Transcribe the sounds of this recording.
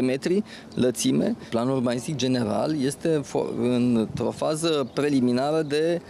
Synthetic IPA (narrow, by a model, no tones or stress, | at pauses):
eme̞t̪ɾi | lət̪sime̞̰planurbanist̪ik̚d͡ʒe̞ne̞ɾa̰lje̞st̪e̞fɨnt̪ɾo̞fazəpɾe̞liminaɾəd̪e̞